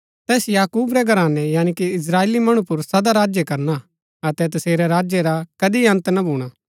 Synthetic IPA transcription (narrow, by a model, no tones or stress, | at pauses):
t̪ɛːsjaːkuːbɾɛɡʱɐɾaːnɛjaːɽ̃ikiɪs̬ɾaːeːlimɐɽ̃ũpʊɾsɐd̪aɾaːd͡ʒjekɐɾna | ɐt̪ɛt̪̬ɐseːɾɛɾaːd͡ʒjeɾakɐd̪iɐ̃nt̪nabʱuːɽ̃aː